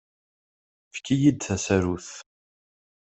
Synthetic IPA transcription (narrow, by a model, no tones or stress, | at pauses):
fkːijid̪θæsæɾuθ